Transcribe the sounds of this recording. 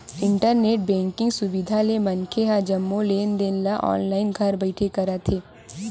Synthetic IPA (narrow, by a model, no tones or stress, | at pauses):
ɪ̃ɳʈəɾneːʈ̚bɛ̃ːŋkɪ̃ŋɡsʊbɪd̪ʱalemɐnkʰeɦad͡ʒɐmːõleːnd̪eːnlaʔɔ̰ːnlaːɪnɡʱɐɾbɐɪʈʰekɐɾat̪ʰeː